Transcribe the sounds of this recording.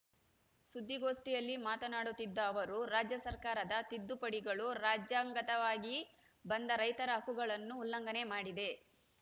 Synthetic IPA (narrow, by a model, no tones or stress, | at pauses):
sud̪ːiɡo̞ːsʈijɐlːimaːt̪ɐnaːɽut̪ːid̪ːɐːʋɐɾuɾaːd͡ʒjɐsɐɾkaːɾɐd̪ɐt̪id̪ːupɐɽiɡɐɭuɾaːd͡ʒjaːŋɡɐt̪ɐʋaːɡi | bɐnd̪ɐɾɐjt̪ɐɾɐɦɐkuɡɐɭɐnːuːlːɐŋɡɐne̞maːɽid̪e̞